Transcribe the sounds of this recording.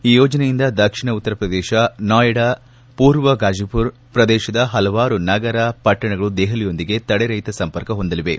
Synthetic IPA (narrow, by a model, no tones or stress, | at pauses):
iːjoːd͡ʒɐnejind̪ɐd̪ɐkʂiɳɐut̪ːɐɾɐpɾɐd̪ɛːʃɐnaːjɐɽɐ | puːɾʋɐɡaːd͡ʒipuɾ | pɾɐd̪ɛːʃɐd̪ɐɦɐlɐʋaːɾunɐɡɐɾɐpɐʈːɐɳɐɡɐɭud̪eːɦɐlijo̞nd̪iɡe̞t̪ɐɽeɾɐjt̪ɐsɐmpɐɾkɐɦond̪ɐliʋe̞